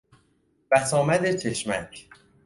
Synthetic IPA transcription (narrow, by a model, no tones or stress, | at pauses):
v̥æsɒːmæd̪et͡ʃʰe̞ʃmæcʰ